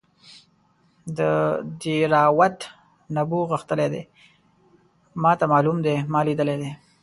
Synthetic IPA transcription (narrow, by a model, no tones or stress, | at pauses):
d̪əd̪iɾɑwat̪ | nabuɣəxt̪əled̪e | mɑt̪amɑlumd̪emɑlid̪əled̪e